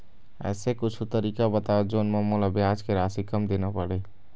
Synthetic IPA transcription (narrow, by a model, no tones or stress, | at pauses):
ɛ̰ːsekʊt͡ʃʰut̪əɾiːkabət̪ad͡ʒoːnməmolabjaːd͡ʒkeɾaːsikəmd̪eːnapəɽe